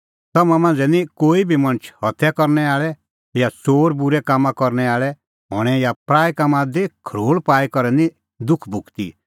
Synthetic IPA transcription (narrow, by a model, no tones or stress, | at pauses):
t̪ɔmãmãːnd͡zɛnikoːibʱimɐ̃nt͡ʃʰhɔt̪ʰjakɔɾnɛaːɭɛ | jat͡soːɾbʊɾɛkaːmãkɔɾnɛaːɭɛ | ɦɔɽ̃ɛjapɾaːjkamãd̪ikʰɾoːɭpaːikɔɾɛnĩ | d̪ʊkʰbʱʊkt̪ḭ